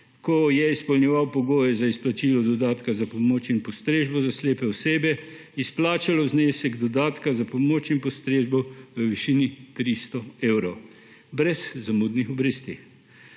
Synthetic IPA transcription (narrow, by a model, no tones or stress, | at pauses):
kɔjɛispɔlnʲɛʋawpɔɡoːjɛzaisplat͡ʃilɔd̪ɔd̪aːt̪kazapɔmoːt͡ʃimpɔst̪ɾeːʒbɔzasleːpɛɔseːbɛ | isplaːt͡ʃalɔzneːsɛɡd̪ɔd̪aːt̪kazapɔmoːt͡ʃimpɔst̪ɾeːʒbɔʋəʋiʃinit̪ɾist̪ɔeːwɾɔw | bɾɛzzamuːd̪nixɔbɾeːst̪i